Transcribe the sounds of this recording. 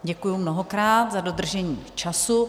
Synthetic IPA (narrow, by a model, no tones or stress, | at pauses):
ɟɛkujumnoɦokɾaːt̪zadod̪r̩ʒɛɲiːt͡ʃasu